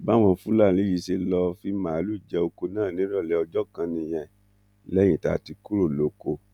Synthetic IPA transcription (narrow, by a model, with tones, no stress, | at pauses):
ba˦w̃ɔ̃˧fũ˦la˦˨li˨˦ji˨˦se˧lɔ˧fi˧mã˨˦lu˦˨d͡ʒɛ˧o˧ko˧nãː˦˨nĩ˨˦ɾɔ˦˨lɛ˧˦ɔ˧d͡ʒɔ˦kã˧nĩ˧j̃ɛ̃˨ | lɛ˦j̃ĩ˦˨ta̰˧˨ti˧ku˦ɾo˦˨lo˨˦ko˧